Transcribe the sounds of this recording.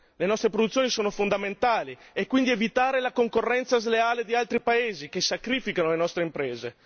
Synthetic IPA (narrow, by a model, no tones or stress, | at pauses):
lenɔst̪ɾepɾod̪ut̪sːjoːnisoːnofond̪ament̪aːliekwind̪ievit̪aːɾelakoŋkorːɛnt̪sazleaːled̪ialt̪ɾipaeːzikesːakɾifikanolenɔst̪ɾeimpɾeːze